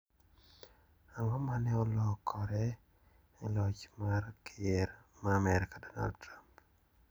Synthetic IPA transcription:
aŋɔmanɛɔlɔkʰɔɾɛ | ɛlɔt͡ʃmarkieɾmamɛɾkadɔna̰ld̚tɾamp

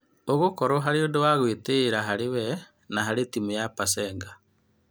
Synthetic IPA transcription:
oɣukoɾoɦaɾiodowaɣwiteɾaɦaɾiwe | naɦaɾitimujapaseːŋɡa

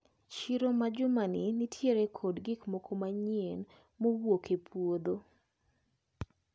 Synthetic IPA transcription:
t͡ʃiɾomad͡ʒʊmaninɪtʰjeɾekʰodɡɪkmokʰomaɲien | mowokʰepʰwod̪o

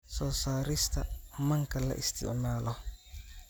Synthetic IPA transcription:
sɔːsaːɾɪst̪ʰɐmɐŋkʰɐlɐ̰ʔɪst̪ʰɪ̰ʕmaːlɔ

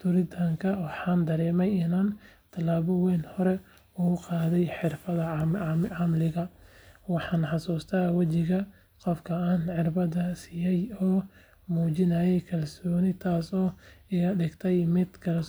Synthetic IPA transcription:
t̪ʰʊɾɪt̪ʰaŋkʰɐwɑħɑːnd̪ɐɾɛːmɛjɪnaːnt̪ʰɐlaːβɔwɛːnhɔɾɛ | ʊqɑːðɛjħɪrfɐðɐʕɑmlɪɣɐwɑħɑːnħɑsuːst̪ʰaːwɐt͡ʃɪɣɐ | qɔfkʰɐaːnħɪrbɐd̪ɐsɪːjɛjɔː | muːt͡ʃɪnɐjɛjkʰɐlsɔːnɪt̪ʰaːsɔːɪɐɖɪɡt̪ʰɛjmɪd̪kʰɐls

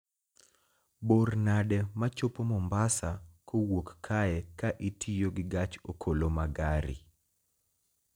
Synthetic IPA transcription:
bornadɛmat͡ʃopomɔmbasakowokːʰaɛkaʔitʰijoɡɪɡat͡ʃokʰolomaɡaɾḭ

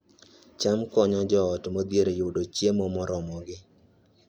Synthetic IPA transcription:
t͡ʃamkɔɲɔd͡ʒɔɔtmod̪jeɾejʊdot͡ʃjemɔmɔɾɔmɔɡɪ

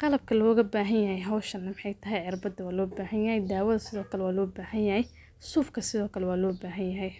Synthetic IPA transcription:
qɑlɐb̚kʰɐlɔːɣɐbaːɦɐnjɐɦɛjɦɐwʃɐnːɐmɪħɑjt̪ʰɐɦɛjʕɪrbɐd̪ɐwaːlɔːbaːhɐnjɐɦɛjd̪aːwɐðɐsɪðɔːkʰɐlɛwaːlɔːbaːhɐnjɐhɛj | suːfkʰɐsɪðɔːkʰɐlɛwaːlɔːbaːɦɐnjɐɦɛj

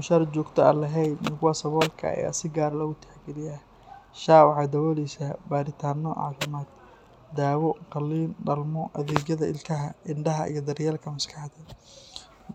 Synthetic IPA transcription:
mʊʃɐɾt͡ʃɔːɡt̪ʰɔɐlɐɦɛjd̪nɪkʊwaːsɐβɔːlkʰɐ̰ja̰sɪɡaːɾlɐɣʊt̪ʰɛ̥ħɡɪɾɪjaː | ʃaːwʕɑd̪ɐwɔliːsɐbaːɾɪt̪ʰaːnɔʕɑ̰ːfɪmaːd̪̚ | d̪aːwɔqɑlːiːnɖɐlmɔʔɐðɛːɡjɐðɐɪ̰lkʰɐɦɐʔɪɳɖɐɦɐʔḭjɞd̪ɐrjaːlkʰɐmɐskʰɑħd̪ɐ

